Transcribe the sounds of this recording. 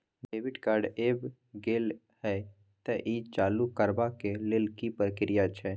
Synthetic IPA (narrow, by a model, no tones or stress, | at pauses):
ɖeːʋɪɖkaːɾɖeːb | ɡeːl | hɛ | t̪ɛʔiːt͡ʃaːlukəɾbakelelkipɾəkɪɾɪjat͡ʃʰɛ